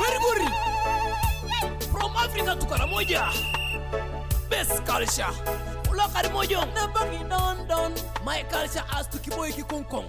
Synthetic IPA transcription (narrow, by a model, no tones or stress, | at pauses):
ɡuɾiɡuɾi | pɾɔmafɾikatukaɾamɔʄa | bɛskalʃa | ulɔkaɾimɔʄɔnabaŋinɔndɔnmaɛkalʃaʔastukiɓɔikikɔŋkɔŋ